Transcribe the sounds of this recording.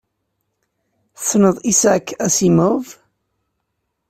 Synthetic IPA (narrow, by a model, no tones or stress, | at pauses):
θnəðˤisækːæsimʊv